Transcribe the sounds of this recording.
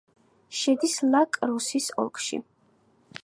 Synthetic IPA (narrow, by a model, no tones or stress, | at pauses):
ʃɛd̪islakʼɾusisɔ̰lˠkʼʃḭ